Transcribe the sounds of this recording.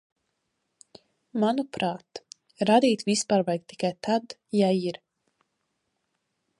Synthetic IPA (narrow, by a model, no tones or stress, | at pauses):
manupɾaːt̪ | ɾad̪iːt̪vispaːɾvajk̚t̪i̥kajt̪ʰad̪jaiɾ